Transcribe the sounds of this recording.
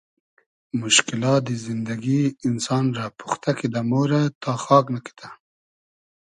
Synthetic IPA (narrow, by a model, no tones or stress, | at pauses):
mʊʃkɪlɑt̪̚d̪əzɪnd̪aɡiɪnsɑnɾɑpu̥xt̪akid̪amoɾat̪ɑxɑknaki̥t̪ʰa